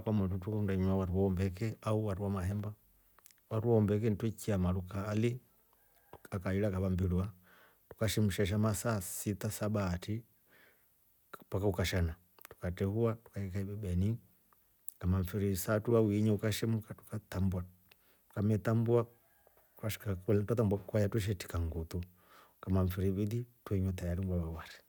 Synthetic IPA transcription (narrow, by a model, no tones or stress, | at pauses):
kwamututukɔndaɲawaɾuwaɔmbɛkɛauwaɾuwamaɦɛmba | waɾuwaɔmbɛk̬ɛntwɛkiamalukaːli | tu̥kakailakaβambilua | tu̥kaʃɛmuʃaʃ̬amasasitasabaːti | pakaukaʃana | tu̥katɛhuatu̥kaɛkaibɛbɛni | kamaɱfiɾisatuawiɲɛukaʃɛmukatu̥kat̪ambua | tu̥kamɛt̪ambua | tukaʃi̥kakultwatambwakwajatwɛʃ̬ɛti̥kaŋɡut̪u | kamaɱfiɾiβiðitwɛɲɛt̪ajaɾimɡaβawaɾi